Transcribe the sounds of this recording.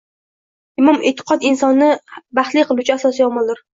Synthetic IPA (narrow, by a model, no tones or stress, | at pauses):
ɪmʊmʔɪt̪ʰːɪ̥qʰɒt̪ɪnsɒnːɪbaχt̪lijqʰɨlˠʊt͡ʃʰʊasɒsɪjɒmɑlˠd̪ɪɾ